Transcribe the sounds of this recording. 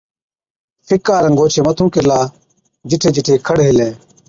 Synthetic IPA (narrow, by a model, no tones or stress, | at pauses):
fʰɪkaːɾə̃ŋɡoːt͡ʃʰeːmət̪ʰũːkɪlaː | d͡ʒɪʈʰeːd͡ʒɪʈʰeːkʰəɽɦɪleː